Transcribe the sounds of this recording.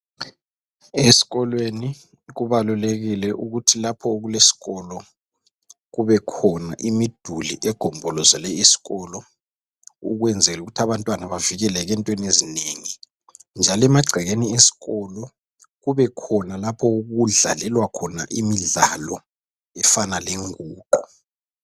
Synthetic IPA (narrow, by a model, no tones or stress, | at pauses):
esi̥ɣɔlweni | ɣuβaluleɣilɛʔuɣutʰilapʰɔoɣulesi̥ɣɔlɔ | ɣuβɛkʰɔna̰ʔimid̥ʱulḭʔɛɡ̥ʱɔmbʱɔlɔzalɛesi̥ɣɔlɔ | uɣwɛnd͡zʱɛluɣutʰaβantʼwanaβaviɣɛlɛɣɛntʼwenezineːŋi | nd͡ʒʱalɛmaɡ͡ǀʱɛɣeniesi̥ɣɔlɔ | ɣuβɛkʰɔnalapʰɔuɣuɮa̰lɛlwakʰɔna̰ʔimiɮalɔ̰ | ɛfanaleŋuːǃu